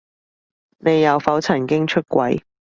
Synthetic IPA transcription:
ne˨˧jːɐ˨˧wfɐ˨˥wt͡sʰɐ˨˩nkɪ˥ŋt͡ʃʰɵ˥t̚kʷɐ˨˥j

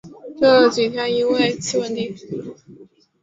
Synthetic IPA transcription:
ʈ͡ʂɤ˥˩t͡swi˨˩t̪ʰjni˥nwe˥˧ɪt͡ɕʰi˥wə˥nt̪i˥˩

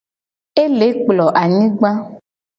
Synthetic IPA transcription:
e˦le˨˦k͡plɔ˨ʔa˨ɲĩ˦ɡ͡bã˦

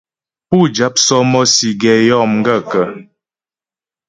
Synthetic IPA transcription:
pu˦˨d͡ʒa˦p̚sɔ˦mɔ˦si˨ɡɛ˨jɔ˦˨mŋ˦ɡə˦kə˨

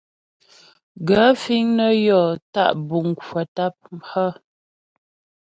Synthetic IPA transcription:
ɡə˨˦fi˦ŋnə˦jɔ˨ta̰˦ʔbu˨ŋ˨kwə˨ta˦p̚m̩˦pə˦

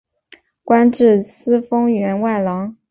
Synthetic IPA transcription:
kwa˥nʈ͡ʂɻ̩˥˩sɹ̩˥fɤ˥ŋɥɛ˧˥nwa˥˩ɪlɑ˧˥ŋ

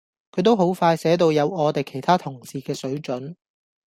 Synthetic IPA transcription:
kʰɵ˨˧˥jt̪o˥wɦo˨˥wfaː˧jsɛː˨˥t̪̬o˧wjɐ˨˧wɔː˨˧t̪e˨jkʰe˨˩jt̪ʰaː˥t̪ʰʊ˨˩ŋsiː˨kɛː˧sɵ˨˥ɥt͡ʃɵ˨˥n

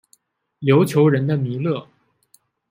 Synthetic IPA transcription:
ljo˧˥ʊt͡ɕʰjo˧˥ʊɻə˧˥nd̪ə˧mi˧˥lɤ˥˩

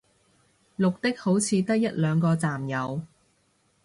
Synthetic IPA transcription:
lʊ˨k̚t̪ɪ˥k̚ho˨˥wt͡sʰiː˨˧t̪ɐ˥k̚jɐ˥t̚lœː˨˧ŋkɔː˧t͡saː˨˩mjɐ˨˧w

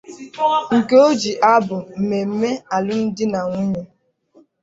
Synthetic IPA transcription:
ŋ̩˨ke˦o˦d͡ʒi˨ʔa˦bʊ˨m̩˨me˨m̩˦me˦a˨lʊ˦n̩˦dɪ˦na˨ŋʷu˦ɲe˨

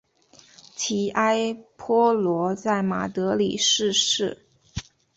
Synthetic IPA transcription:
t͡ɕʰi˧˥ʔa˥ɪpʰɔ˥lwɔ˧˥t͡sa˥˩ɪma̰˨˩t̪ɤ˧˥li˨˩ʂɻ̩˥˧ʂɻ̩˥˩

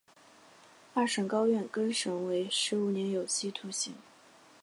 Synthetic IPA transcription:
fa˥˩ʂə˨˩ŋkɑ˥ʊɥɛ˥˩nkɤ˥nʂɤ˧˥ŋwe˧˥ɪʂɻ̩˧˥u˨˩njɛ˧˥njo˨˩ʊɕʰi˥˩t̪ʰu˧˥ɕi˧˥ŋ

